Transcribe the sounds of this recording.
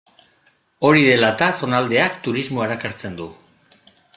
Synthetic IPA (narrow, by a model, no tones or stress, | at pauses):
o̞ɾiðe̞lat̪aso̞nald̪e̞akt̪uɾizmoaɾakaɾt͡se̞nd̪u